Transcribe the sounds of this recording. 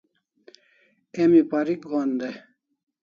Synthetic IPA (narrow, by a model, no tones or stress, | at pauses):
emipaɾik̚ɡoːnd̪e